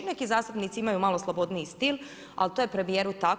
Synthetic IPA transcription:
ne̞kizaːst̪upnit̪siimajumalˠo̞slˠobo̞d̪niist̪ilˠ | a̰lt̪ojepɾe̞mije̞ːɾut̪a

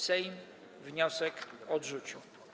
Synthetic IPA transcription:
sɛjm | vɲɔsɛkɔdʐut͡ɕu

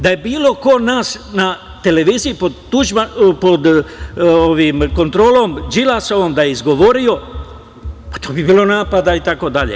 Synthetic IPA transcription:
d̪aje̞biːlo̞ko̞naːsna | t̪e̞le̞ʋiːziːpot̪uʒapod̪ | oʋimko̞nt̪ɾo̞ːlo̞md͡ʒilaso̞ʋo̞md̪ajeizɡo̞ʋo̞ɾio̞ | pḁt̪o̞ːbibiːlo̞naːpad̪ait̪ako̞d̪aʎḛ

